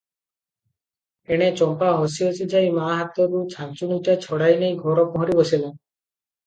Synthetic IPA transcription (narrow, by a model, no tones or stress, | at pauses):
eɽ̃et͡ʃɔmpaɦosiosʰid͡ʒajmaːɦat̪ɔɾut͡ʃʰant͡ʃunuʈat͡ʃʰɔɽajnejɡʱɔɾɔpɔɦɔɾibɔsila